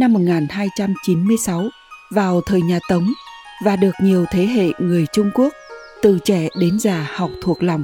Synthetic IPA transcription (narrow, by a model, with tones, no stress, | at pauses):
na˧mːo˨˩ŋaː˨˩nɦaː˧jt͡ɕa˧mt͡ɕi˨˦nmɨ˧əjsa˨˦w | vaː˨˩wt̪ʰəː˨˩jɲaː˨˩t̪ə˨˦wŋ͡m | vaː˨˩ɗɨ˨˩ək̚ɲi˨˩əwt̪ʰe˨˦ɦḛ˧˨ŋɨ˨˩əjt͡ɕʊ˧ŋ͡mku˦˥ək̚ | t̪ɨ˨˩t͡ɕɛ˧˩ɗe˨˦nzaː˨˩ha˨˩wk͡p̚t̪ʰu˨˩ək̚la˨˩wŋ͡m